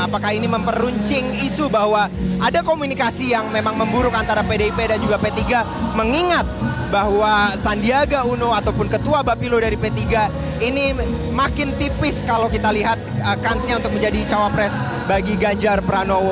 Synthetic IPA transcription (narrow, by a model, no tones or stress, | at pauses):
apakahiniməmpəruɲt͡ʃɪŋisubahwaadakomunikasijaŋmemaŋməmbuɾʊkant̪aɾapedeipedand͡ʒuɡapet̪iɡa | məŋiŋat̪̚ | baɦwasandiaɡaunoat̪awpʊnkət̪uabapilodaɾipet̪iɡa | ini | makɪnt̪ipɪskalawkit̪aliɦat̪̚əkansɲaunt̪ʊk̚məɲd͡ʒadit͡ʃawapɾɛs | baɡiɡaɲd͡ʒarpɾanow